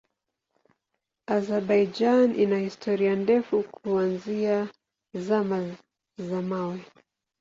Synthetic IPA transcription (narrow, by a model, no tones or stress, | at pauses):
azɛɾɓajd͡ʒanʔinahistʰɔɾiandɛfukʰuanzia | zama | zamawɛ